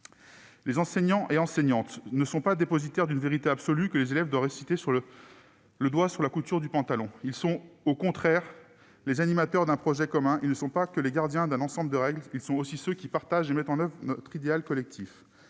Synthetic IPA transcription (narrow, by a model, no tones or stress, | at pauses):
lezɑ̃sɛɲɑ̃ʔeɑ̃sɛɲɑ̃t̪nəsɔ̃pad̪epɔzit̪ɛʁd̪ynveʁit̪eabsɔlykəlezelɛvd̪wavʁːesit̪esyʁlə | ləd̪wasyʁlakut̪yʁd̪ypɑ̃t̪alɔ̃ilsɔ̃okɔ̃t̪χɛːʁ | lezanimat̪œʁd̪ɛ̃pχɔʒɛkɔmɛ̃ilnəsɔ̃pakəleɡaʁd̪jɛ̃d̪ɛ̃nɑ̃sɑ̃bləd̪əʁɛɡlilsɔ̃osisøkʲipaʁt̪aʒemɛt̪ɑ̃nœvʁnɔt̪χid̪ealkɔlɛk̚t̪ʰif